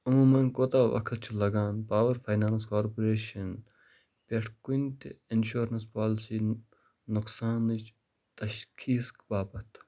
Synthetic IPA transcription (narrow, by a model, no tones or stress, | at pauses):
ɐmuːmɐnkoːt̪aːʋɐ̰kʰət̪̚t͡ʃʰilɐɡaːnpaːʋɐɾfaːjnaːnskaːɾpoɾeːʃɐn | pʲeʈʰkunt̪enʃuːɾɐnspaːlsiː | nʊksaːnɨd͡ʒ | t̪ɐʃkʰiːskbaːbɐt̪ʰ